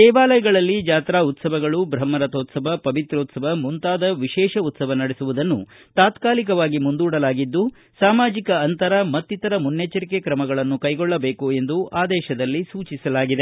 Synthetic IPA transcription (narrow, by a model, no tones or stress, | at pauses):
d̪ɛːʋaːlɐjɐɡɐɭɐlːid͡ʒaːt̪ɾaːut̪sɐʋɐɡɐɭubɾɐmːɐɾɐt̪oːt̪sɐʋɐpɐʋit̪ɾoːt̪sɐʋɐmunt̪aːd̪ɐʋiʃɛːʃɐut̪sɐʋɐnɐɽesuʋud̪ɐnːu | t̪aːt̪kaːlikɐʋaːɡimund̪uːɽɐlaːɡid̪ːu | saːmaːd͡ʒikɐːnt̪ɐɾɐmɐt̪ːit̪ɐɾɐmunːjet͡ʃɐɾikekɾɐmɐɡɐɭɐnːukɐjɡɔɭːɐbeːkue̞nd̪uʔaːd̪ɛːʃɐd̪ɐlːisuːt͡ʃisɐlaːɡid̪e